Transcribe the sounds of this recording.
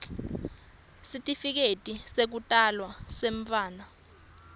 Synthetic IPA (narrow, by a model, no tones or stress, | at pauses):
sitʼifik̬etʼisek̬utʼalwaseɱfaːna